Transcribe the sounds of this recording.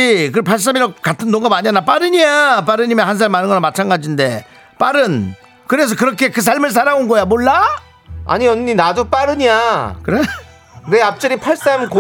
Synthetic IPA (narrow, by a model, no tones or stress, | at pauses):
kɯpʰaɭs̬͈amiɾʌkatʰɯnːoŋɡamaɲianap͈aɾɯɲiap̬͈aɾɯɲimjenɦans̬ʰaɭmanɯnŋɡʌnamat͡ɕʰanɡad͡ʑinde̞ | p͈aɾɯn | kɯɾe̞s̬ʰʌkɯɾʌkʰe̞kɯs̬ʰaɭmɯɭs̬ʰaɾaunɡʌjamoɭːa | a̰ɲiʌnːinadup͈aɾɯɲijakɯɾe | deap̚t͡ɕ͈ɯɾipʰaɭs͈amko